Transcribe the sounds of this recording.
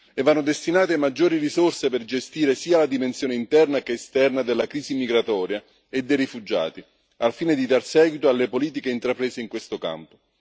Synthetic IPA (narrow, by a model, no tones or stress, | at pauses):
evːanːod̪est̪inaːt̪emad͡ʒːoːɾirisorseperd͡ʒest̪iːɾesiːalad̪imensjoːneint̪ɛrnakeːst̪ɛrnad̪elːakɾiːzimiɡɾat̪ɔːɾja | ed̪ːejrifud͡ʒa̰ːt̪i | alfiːned̪id̪arsɛːɡwit̪oalːepoliːt̪ikeint̪ɾapɾeːzeiŋkwest̪oka̰mpo